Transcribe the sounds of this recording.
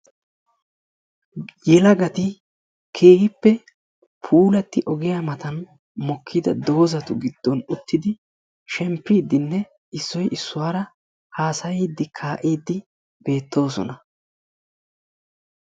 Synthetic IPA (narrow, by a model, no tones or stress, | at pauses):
jɛlɐɡɐt̪ɪ | kʰeːɡɪpːɛ | pʰuːlɐt̪ːɪʔɔɡɪjamɐt̪ɐn | mɔkʰːɪd̪ɐd̪o̞ːzɐt̪ʊɡɪd̪̥ːɔnʊt̪ːɪd̪ɪ | ʃɛmpːiːd̪ɪnːɛ | ɪsːɔjʔɪsːʊwaːɾɐ | haːsɐjiːd̪ːɪkʰaːʔiːd̪ːɪ | b̥e̞ːt̪ːo̞ːsɔ̰nɐ